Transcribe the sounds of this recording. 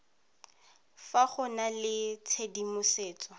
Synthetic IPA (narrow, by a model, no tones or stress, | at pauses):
faχʊnalɪt͡sʰedimʊseːt͡sʼɔ